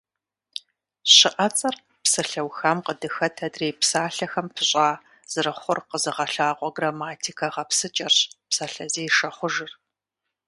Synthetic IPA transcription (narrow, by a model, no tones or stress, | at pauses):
ɕɪʔɐt͡sʼɐr | psɐɬɐwxɐmqədɨxɐtʰɐdreːpsaːɬɐxɐmpʰɨɕʼaː | z̥ɨɾɨχʷʊrqəzɨʁɐɬaːqʷʼɔɡramaːtʰikʰɐʁɐpsɨt͡ʃʼɐrɕpsɐɬɐzeːjʃɐχʷʊʒɨr